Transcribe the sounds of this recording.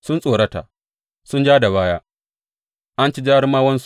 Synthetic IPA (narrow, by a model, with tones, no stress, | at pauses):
sʊ˦nsʼoː˨ɽɐ˦ta̰ː˨ | sʊ˦nd͡ʒaː˦da˨βaː˦jaː˦ | ʔa˦nt͡ʃi˦d͡ʒaː˦ɾmaː˦wɐ˦ns